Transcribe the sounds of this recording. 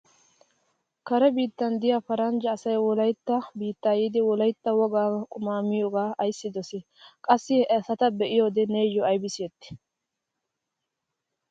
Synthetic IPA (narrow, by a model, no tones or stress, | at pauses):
kɐɾɛbiːt̪ːɐnd̪ɪjafɐɾɐnd͡ʒɐːsɐjwɔlɐjt̪ːɐbiːt̪ːaːjiːd̪ɪwɔlɐjt̪ːɐwɔɡaːkʼʊmaːmːɪjoːɡaːɐjsːɪd̪ɔsɛ | kʼɐsːɪɐsɐt̪ɐbɛʔɪjo̞ːd̪ɛneːjɔɐjbɪseːt̪ːɪ̥